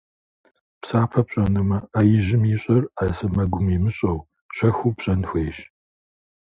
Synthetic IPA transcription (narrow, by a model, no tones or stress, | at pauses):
psaːpʰɐpɕʼɐnɨmɐaːjɪʑɪmiɕʼɐrasɐmɐɡʷʊmiːmɨɕʼɐw | ɕɐxupɕʼɐnxʷeːɕ